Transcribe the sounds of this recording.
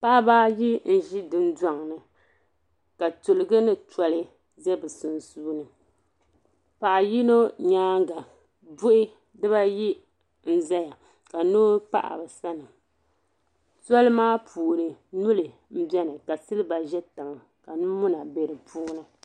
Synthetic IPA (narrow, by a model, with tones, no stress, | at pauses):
pa˦baː˦ji˦n̩˦ʒi˦dɨ˨˦n˦da˦ŋnɨ˨ | ka˨tu˨lɨ˨ɡɨ˦nɨ˦tɔ˨lɨ˦ | zɛ˦bɨ˨su˨n˨suː˦nɨ˨ | pa˨ʔa˨ji˦no˦ɲaː˦ŋ˦ɡa˨ | bʊ˦ʔɪ˦ | dɨ˦βa˦ji˦ | n̩˦za˦ja˨ | ka˨no˦pa̰˦ʔa̰˨bɛ˨sa˦nɨ˨ | tɔ˦lɨ˦maː˦pʰuː˨nɨ˨nu˦lɨ˨ | m̩˦bɛ˦nɨ˨ka˨sɨ˦lɨ˦ba˨ʒɛ˦ta˨ŋ˨ | ka˨nɨ˦mʊ˦na˨bɛ˨ɾɨ˨pu˦ŋ˦na˨